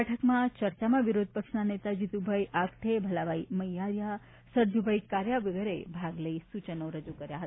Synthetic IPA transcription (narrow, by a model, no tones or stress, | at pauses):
ɛʈʰəkmãt͡ʃəɾt͡ʃamãʋɪɾod̪̚ʱpəkʂnanet̪ad͡ʒit̪ubʱaiʔakʈʰebʱəlaʋaiməijaɾja | səɾd͡ʒʱubʱaikaɾjaʋəɡəɾebʱaɡləisut͡ʃənoɾəd͡ʒukəɾjaɦət̪a